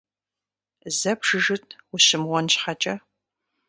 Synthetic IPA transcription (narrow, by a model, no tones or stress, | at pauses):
zɐbʂɨʒɨtʰwʊɕɪmwɔnɕħat͡ʃʼɐ